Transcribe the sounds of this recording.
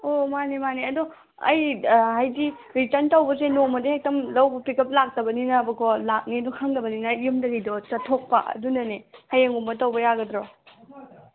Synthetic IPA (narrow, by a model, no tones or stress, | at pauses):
omanemaniɐdu | ɐ̰jɦajdi | ɾitɐntɐwbɐsenomɐdihek̚tɐmlɐwbɐpikɐp̚lak̚tɐbɐninɐbɐkʰɔlak̚nidɔkʰaŋdɐbɐninɐjjumdɐɡidɔt͡ʃɐtʰok̚pɐʔɐ̰dunɐnehajeŋumbɐtɐwbɐjaɡɐdɾɔ